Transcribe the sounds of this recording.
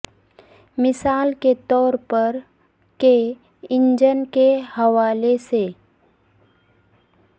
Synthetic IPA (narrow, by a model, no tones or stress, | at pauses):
mɪsaːlket̪ɔːɾpəɾ | ke | ɪ̃ɲd͡ʒənkehɐʋaːlese